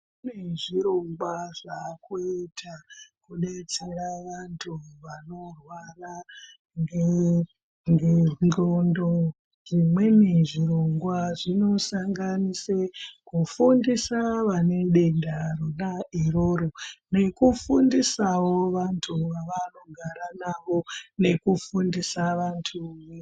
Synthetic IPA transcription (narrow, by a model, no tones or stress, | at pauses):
uneʐiɾo̞ŋɡwaʐakuetʰakuɗet͡seɾaʋantʰuʋano̞rwara | ŋɡe | ŋɡenondo | ʐ̥imwe̞neʐiɾo̞ŋɡwaʐino̞saŋɡanisekufundisaʋane̞ɗe̞ndaronaʔeroːɾone̞kufundisawo̞ʋantʰuʋaʋano̞ɡʱaɾanaʋo̞ne̞kufundisaʋantʰu